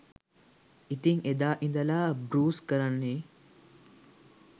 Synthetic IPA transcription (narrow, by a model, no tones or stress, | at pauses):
it̪iŋed̪aːʔind̪ɐlaːbɾuːskəɾanːeː